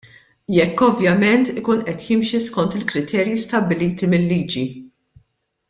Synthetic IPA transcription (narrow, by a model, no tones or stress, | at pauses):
jɛkːɔvjɐmɛnt̪ɪkuːnʔɛt̪jɪmʃiskɔnt̪ɪlkɾɪt̪ʰɛːɾjist̪ɐbːɪliːt̪imɪlːiːd͡ʒi